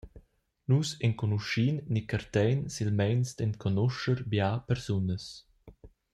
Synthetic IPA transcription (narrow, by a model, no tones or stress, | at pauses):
nusɛŋkɔnuʃinːikəɾt̪ɛjnsilmɛjnsd̪ɛnkʰɔnɔʃəɾbjapɛɾsunəs